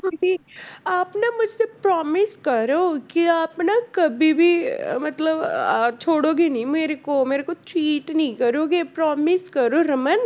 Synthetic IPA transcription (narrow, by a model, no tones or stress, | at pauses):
ʈiːaːpnamʊd͡ʒʱsepɾaːmɪskɐɾokiaːpnakɐbʱibʱimɐt̪ləbt͡ʃʰoːɽoːɡenɐɦĩmeːɾekomeːɾekot͡ʃiːʈnɐɦĩkɐɾoːɡepɾɔːmɪskɐɾoɾɐmən